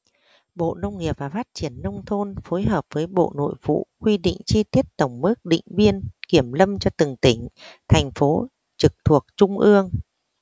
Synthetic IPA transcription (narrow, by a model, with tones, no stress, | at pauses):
ɓo̰˧˨nə˧wŋ͡mŋi˨˩əp̚vaː˨˩faː˦˥t̚t͡ɕi˧˩ənːə˧wŋ͡mt̪ʰo˧nfo˨˦jɦəː˨˩p̚vəː˨˦jɓo̰˧˨no̰˧˨jvṵ˧˨kwi˧ɗḭ˧˨ŋ̟t͡ɕi˧t̪i˦˥ət̚t̪ə˧˩wŋ͡mmɨ˦˥k̚ɗḭ̈˧˨ŋ̟vi˧ənki˧˩əmlə˧mt͡ɕɔ˧t̪ɨ˨˩ŋt̪ï˧˩ŋ̟t̪ʰa˨˩jŋ̟fo˨˦ | t͡ɕɨ˨˩k̚t̪ʰu˨˩ək̚t͡ɕʊ˧ŋ͡mʔɨ˧əŋ